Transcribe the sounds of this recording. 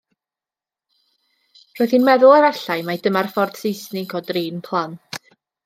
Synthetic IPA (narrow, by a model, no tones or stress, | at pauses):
roːɨðhinmɛðʊlˠaɾaɬajmadəmarfɔrd̥sejsnɪɡʰɔdriːnpʰlˠant